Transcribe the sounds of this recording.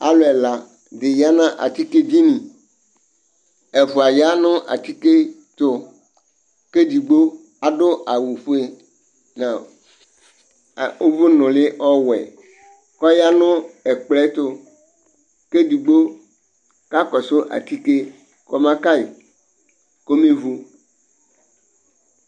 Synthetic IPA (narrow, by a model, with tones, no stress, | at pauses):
a̰˨lʊ˦ɛ˨la˨ | d̪ɪ˨ja˦nã˦ʔa̰˨t̪i˦ke˦d͡ʑi˦nĩ˨ | ɛ˨fʊ˨a˨ja˦nʊ̃˦ʔa̰˨t̪i˦ke˦ | t̪ʊ˦ | ke˦d̪i˨ɡ͡bo˦ | a˨dʊ˦a˨wu˨ɸʊ˦e˦ | nã˨ | o˦vʊ˦nʊ̃˨lɪ˦ʔɔ˦wɛ̰˨ | kɔ˦ja˦nʊ̃˦ɛ˨k͡plɛ˦t̪ʊ˦ | ke˦di˨ɡ͡bo˦ | ka˦kɔ˨sʊ˦ʔa̰˨t̪i˦ke˦ | kɔ˨mã˦ka˦i˨ | ko˦me˦vu˦